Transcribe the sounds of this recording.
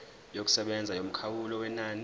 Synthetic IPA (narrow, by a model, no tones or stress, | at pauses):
jok̬u̥sɛɓɛnd͡zʱajom̩kʰawulɔwɛnaːni